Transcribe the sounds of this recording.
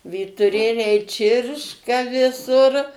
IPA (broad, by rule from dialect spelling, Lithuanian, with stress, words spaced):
ʋʲiːtʊˈrʲeːlʲɛɪ ˈt͡ʃʲɪrʃkɐ ʋʲɪˈsʊr